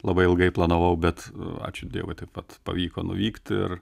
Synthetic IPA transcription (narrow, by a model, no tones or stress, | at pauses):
lˠɐbɐɪɪlˠɡɐɪplˠɐnoʋɐʊbʲɛt̪ɑ̰ːt͡ʃʲʊd̪ʲḭɛʋoɪt̪ɐɪpʋɐt̪pɐ̰ʋʲiːkoːnʊ̰ʋʲiːkt̪ʲɪ̰r